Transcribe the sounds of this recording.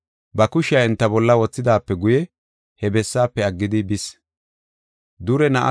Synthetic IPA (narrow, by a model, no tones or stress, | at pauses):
bɐkʊʃɪjaɛnt̪ːɐbɔlːɐwɔt͡sːɪd̪aːpːɛɡʊjɛ | hɛbɛsːaːpːɛɐɡːɪd̪ɪbɪs | d̪ʊɾɛnɐʔɐ̰